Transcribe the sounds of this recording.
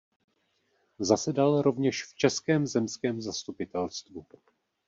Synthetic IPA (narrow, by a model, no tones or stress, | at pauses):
zasɛdalɾo̞vɲɛʃft͡ʃɛskɛːmzɛmskɛːmzast̪upɪt̪ɛlst̪vu